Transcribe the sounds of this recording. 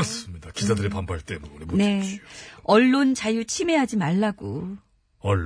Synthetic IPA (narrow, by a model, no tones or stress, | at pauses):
s͈ɯmɲidakisʰadɯɾepambaɭt͈e̞monemone̞ | ʌɭːont͡ɕajut͡ɕʰime̞ɦad͡ʑimaɭːaɡo | ʌɭː